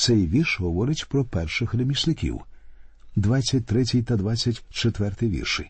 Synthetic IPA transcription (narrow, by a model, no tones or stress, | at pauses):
t̪sɛjʋʲirʃɦɔʋɔɾɪtʲpɾɔpɛrʃɪxɾemʲisnɪkʲḭw | d̪ʋat͡sʲːɐt̚ʲt̪ɾɛt͡sʲijt̪ɐd̪ʋat͡sʲːɐtʲt͡ʃet̪ʋɛrt̪ɪjʋʲḭrʃɪ